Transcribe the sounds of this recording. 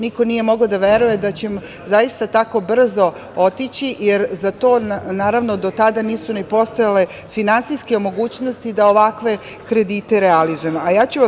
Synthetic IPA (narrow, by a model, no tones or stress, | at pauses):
niko̞nije̞mo̞ɡod̪aʋe̞ɾuje̞d̪at͡ɕe̞m | zajist̪at̪ako̞br̩zo̞ | ot̪it͡ɕijeɾzat̪o̞ːnaːɾaʋnod̪o̞t̪ad̪aniːsunepo̞st̪o̞jale̞ | finansijske̞mo̞ɡuːt͡ɕnost̪id̪ao̞ʋakʋe̞ | kɾe̞d̪iːt̪eɾealizujemajaːt͡ɕu